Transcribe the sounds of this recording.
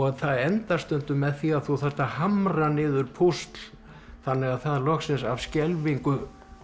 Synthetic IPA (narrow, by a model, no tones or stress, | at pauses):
ɔɣθaðɛnt̪ast̪ʏnt̪ʏmɛðθiaðθuθɛr̥t̪ahamranɪːðʏɾpʰust̪l̥ | θanːɪɣaðθaðlɔxsɪnsav̥scɛlviŋkʏ